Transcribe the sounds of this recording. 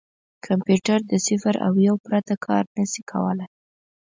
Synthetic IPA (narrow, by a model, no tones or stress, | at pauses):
kʰampjuʈaɾd̪əsɪfɾa̰wjawpɾat̪akʰɑ̰ɾnəsikʰa̰wəlaj